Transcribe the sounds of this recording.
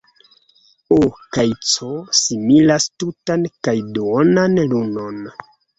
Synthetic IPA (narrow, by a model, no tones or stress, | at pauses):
okajt͡sosimilastutankajdoonanluno̞n